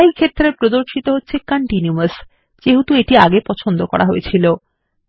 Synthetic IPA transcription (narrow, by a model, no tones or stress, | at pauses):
ikʰet̪ːɾepɾod̪oɾʃit̪oɦotːɕʰekaɳʈinuas | d͡ʑeɦut̪ueʈiaɡepɔt͡ɕʰond̪okɔ̰ɾʔaɦoet͡ɕʰilo